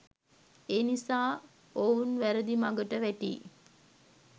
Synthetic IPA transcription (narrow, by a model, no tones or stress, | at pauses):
eːnisaː | ounʋæɾəd̪imaɡəʈəʋæʈḭː